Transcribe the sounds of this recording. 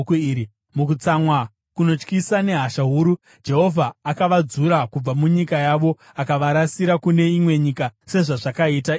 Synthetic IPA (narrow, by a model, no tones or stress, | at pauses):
i | mukut͡samwa | kuno̞t͡ʃkisane̞ɦaʃaɦuːɾu | d͡ʒe̞ɦo̞vʱaːkaʋad͡zuɾakub͡vamuɲikajaʋo̞ | akaʋaɾasiɾakune̞imwe̞ɲikase̞ʐaʐakaita